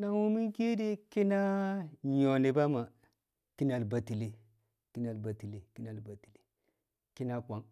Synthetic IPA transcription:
na˦wu˦mi˦ŋki˦di˦ki˦na˦ɲo˨ni˨ba˦ma˨ | ki˦na˨lba˨ti˨li˦ | ki˦na˨lba˨ti˨li˨ki˦na˨lba˨ti˨li˨ | ki˦na˦kʷa˨ŋ

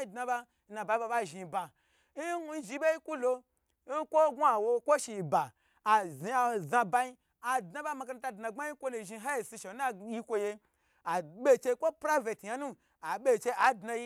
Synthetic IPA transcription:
i˦˨dna˧ba˦ | n̩˦na˧ba˧˦i˦ba˧ba˦˨ʒi˧ba˧˦ | hu˧n̩˦ʒi˧be˦ji˦ku˦lo˧ | n̩˦kʷo˦ɡʷa˨wo˧kʷo˦ʃi˧˨ba˨ | a˨zi˨a˧˨zã˧ba˧ji˦ | a˨dnã˧˦ba˦ma˧ka˧na˧ta˧dna˧ɡ͡ba˦ji˦kʷo˦nu˧˨ʒi˧˦ɦa˦je˨si˧ʃe˨˦na˦ji˦kʷo˧je˧ | a˨ɓʲe˦˨t͡ʃe˧kʷo˦pɾa˦ve˨tja˧˦nũ˦ | a˨ɓʲe˦˨t͡ʃe˧a˨dna˧ji˦

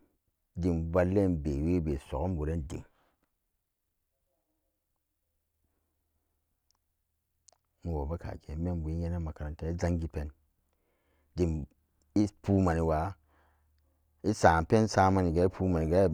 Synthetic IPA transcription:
di˨mba˧lːe˦nbe˨we˦be˨so˨o˦m˦bu˨ɾe˦ndḭ˨ŋ | mu˨wo˨ba˦ka̰˨ke˨˦me˦nbu˨i˦ɲe˦ne˦ma˨ka˨ɾa˨nta˦i˦za˦ŋɡi˦pe˦n | di˨m | i˦pu˦ma˨ni˨wa˨ | i˦sa˨pe˦nsa˦ma˦ni˨ɡa˨˦i˦pʰu˦ma˨ni˨ɡa˦i˦

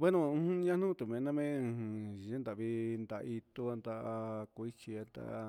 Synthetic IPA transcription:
we˦nõ˧ũ˧ɲã˦nũ˦t̪u˨mẽ˧nã˧mẽ˦˧˨e˦nd̪a˨βi˧nd̪a˧ʔi˧t̪u˧a˧nd̪a˧ku˧i˦t͡ʃi˧a˧nd̪a̰˧ʔ

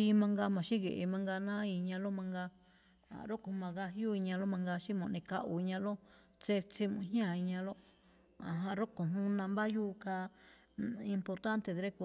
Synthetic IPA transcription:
i˧mã˧ŋɡa˧mã˨ʃĩ˦ɣḛ˨ʔe˧mã˧ŋɡa˧nã˦i˧ɲã˧lo˦mã˧ŋɡa˧ | a̰˨ɾo˦ko˨mã˧ɣa˧ju˦i˧ɲã˧lo˦mã˧ŋɡa˧ʃĩ˦mõ˧˨˧nĩ˧ka˦˧ʔu˨i˧ɲã˧lo˦ | t͡se˧t͡si˧mũ˧ɦj̃ã˦˨i˧ɲã˧lo˦ | a̰˨ɦã˧ɾo˦ko˨ɦũ˦nã˧mba˦juː˦ka˧ | i˧mpo˧ɾt̪a˦nt̪e˧˨ðɾe˦ku˧

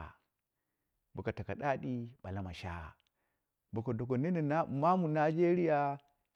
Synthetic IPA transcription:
bu˨ka˨ta˨ka˨ɗa˦ɗi˦ɓa˨la˦ma˨ʃa̰˦˨ | bo˨ko˨do˨ko˨ne˦ne˨˦˨ma˦mu˨na˦d͡ʒe˦ɾi˦ja˦

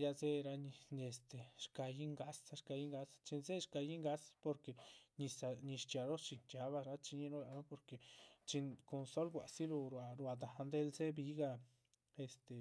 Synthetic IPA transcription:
ja˧ze˦ɾa˧ɲi˧ɲ˧e˨st̪e˨ʃka˧ji˦ŋɡa˧sa˧ʃka˧ji˦ŋɡa˧st͡ʃi˧nze˦ʃka˧ji˦ŋɡa˦spo˧ɾke˨ɲi˧sa˧ɲi˧ʃt͡ʃa˨ɾo˦t͡ʃi˧nt͡ʃa˧βa˧ɾa˦t͡ʃi˧ɲi˧˦no˦la˨no˦po˧ɾke˨t͡ʃi˧nko˧nso˦lɡʷa˨si˦lo˧ɾwa˧ɾwa˧d̪a˨˧nd̪e˧˦˧lze˦bi˧˦ɡa˧ | e˨st̪e˨

